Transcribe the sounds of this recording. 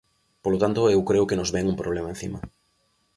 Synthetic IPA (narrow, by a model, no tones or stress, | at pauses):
polot̪ant̪oewkɾeʊkenozβeŋumpɾoβlemaẽn̟θḭmɐ